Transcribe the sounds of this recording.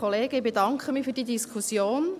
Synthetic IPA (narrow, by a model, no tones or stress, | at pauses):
ɔleːɡ̥əɪbedɑŋkχəmiːfyːɾd̥iːdiskʰusjoːn